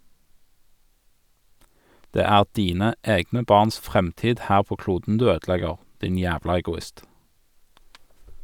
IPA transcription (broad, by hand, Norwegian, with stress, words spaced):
ˈdeː ˈæːʁ ˈdiːnə ˈeːɡnə ˈbɑːʁns ˈfʁɛmˌtiːd ˈhæːʁ ˈpoː ˈkluːdn̩ ˈdʉː ˈøːdˌlɛɡəʁ ˈdɪn ˈjæːʋlɑ ɛɡʊˈɪst